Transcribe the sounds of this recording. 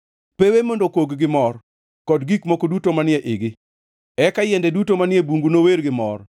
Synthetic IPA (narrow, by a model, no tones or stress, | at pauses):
pewemondokoɡɡɪmɔr | kɔdɡikmokodutomanɪɛʔɪɡɪ | ɛkajɛndɛdutomanɪɛbuŋɡunoweɾɡɪmɔr